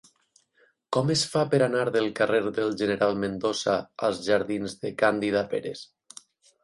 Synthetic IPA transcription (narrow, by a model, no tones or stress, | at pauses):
kɔmesfapeɾanaɾðelˠkareɾðelˠʒeneɾalˠmend̪osaa̰lˠzʒaɾðinzðekand̪iðapḛɾes